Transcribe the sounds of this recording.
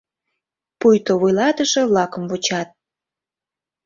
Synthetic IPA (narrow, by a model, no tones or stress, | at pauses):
pujt̪oβojlɑt̪əʒĕβlɑkəmvot͡ɕɑt̪̚